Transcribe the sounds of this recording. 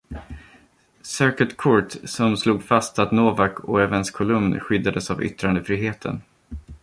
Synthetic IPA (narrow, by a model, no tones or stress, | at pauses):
sœkət̪kʰɔɹʈsɔmsluːɡfast̪at̪noːvakʰɔɛvənskʰʊlɵmnɧʏd̪ːad̪əsavʏ̰t̪ɾand̪əfɾiːɦeːt̪ʰə̰n